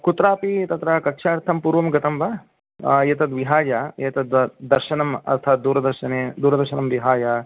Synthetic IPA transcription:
kut̪ɾaːpit̪ɐt̪ɾɐkɐkʂaːɾt̪ʰɐmpuːɾʋɐmɡɐt̪ɐmbɐ | jet̪ɐd̪ʋiɦaːjaːjeːt̪ɐd̪ʋɐd̪ɐɾʃɐnɐmɐ̰st̪ʰaːt̪̚d̪uːɾɐd̪ɐɾʃɐneːd̪uːɾɐd̪ɐɾʃɐnɐmʋiɦaːjaː

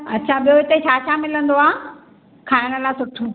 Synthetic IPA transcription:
ɐtːɕʰaɓijoɪt̪et͡ɕʰaːt͡ɕʰamɪlə̃nd̪oaː | kʰaːɪɽ̃ə̆laːsʊʈʰo

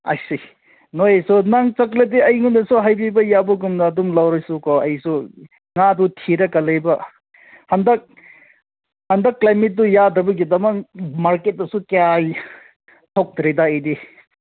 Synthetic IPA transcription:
a̰jsi | nojejsunaŋt͡ʃɐklɐdiɐjŋundɐsuɦajbibɐjabuɡumnɐːdumlawɾɐjsukɔɐjsu | ŋadutʰiɾɐkɐlɐjbɐ | hɐndɐk̚ | hɐndɐkːlajmit̚dujadɾɐbɐɡidɐmɐmaɾket̚dɐsukeaj | tʰok̚dɾedaɐjdi

